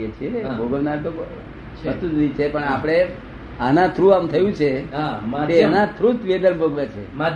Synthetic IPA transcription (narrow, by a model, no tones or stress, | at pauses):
et͡ʃʰebʱoɡəʋnaɾt̪o | ʋəst̪ut̪nĩt͡ʃʰepəɳapɽ̃e | anãt̪ʰɾuamt̪ʰəjũt͡ʃʰeaeanãt̪ʰɾut̪ʋed̪ənbʱoɡʋet͡ʃʰḛm